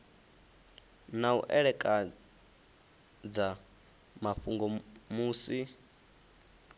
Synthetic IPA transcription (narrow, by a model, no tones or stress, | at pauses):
naṵʔɛɺɛkʼa | d͡za | maɸuŋɡɔmuːsi